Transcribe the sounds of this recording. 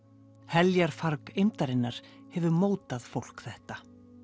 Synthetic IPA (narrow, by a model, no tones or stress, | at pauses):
hɛljaɾ̥faɾkejmt̪aɾɪnːaɾ̥hɛvʏmoːwt̪aðfowl̥kθɛht̪a